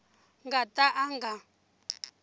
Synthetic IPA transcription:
ŋɡatʼaʔaŋɡa

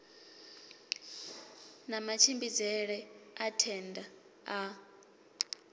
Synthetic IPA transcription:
namat͡ʃʰimbid͡zɛɺɛatʰɛndʱa | a

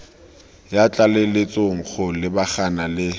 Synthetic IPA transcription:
jat͡ɬʼalɪlɪt͡sʼoŋ̩χʰʊlɪbaχanalɪ

